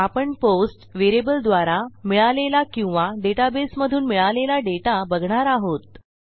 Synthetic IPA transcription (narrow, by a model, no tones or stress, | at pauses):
apəɳposʈʋeɾebəld̪ʋaɾamiɭalelakĩw̃ʋaɖeʈabesməd̪ʱuːnmiɭalelaɖeʈabəɡʱɳaɾaɦot̪̚